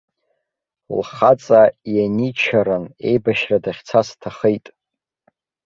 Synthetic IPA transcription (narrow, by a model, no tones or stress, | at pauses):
lχat͡sʼajanit͡ʃʰaɾɨne̞jbaʃradaχʲt͡sʰastʰaχejtʼ